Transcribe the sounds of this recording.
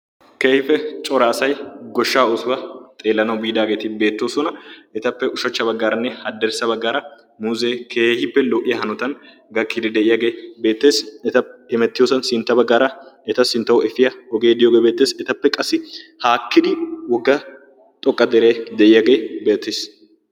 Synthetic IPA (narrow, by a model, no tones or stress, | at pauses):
keːhɪfɛt͡ʃʼɔɾaːsɐjɡɔʃːaːɔsʊwɐt̪ʼe̞ːlːɐnɐwbiːd̪aːɡe̞ːt̪ɪbe̞ːt̪ːoːsɔnɐɛt̪ɐpːɛʔʊʃɐt͡ʃːɐbɐɡːaːɾɐnːɛhɐd̪ːɛɾsɐbɐɡːaːɾɐ | muzeːkʰeːhɪpːɛlɔːʔɪjɐhɐnɔt̪ɐn | ɡɐkʼːɪd̪ɪd̪ɛʔɪjɐɡe̞ːbe̞ːt̪ːe̞ːsɛt̪ɐɛmɛt̪ːɪjoːsɐnsɪnt̪ːɐbɐɡːaːɾɐɛt̪ɐsɪnt̪ːɐwʊɛfɪjɐwɔɡeːd̪ɪjoːɡeːbe̞ːt̪ːeːsɛt̪ɐpːɛkʼɐsːɪhaːkːɪd̪ɪwɔɡːɐ | t̪ʼɔkʼːɐd̪ɛɾeːd̪ɛʔɪjɐɡe̞ːbeːt̪ːes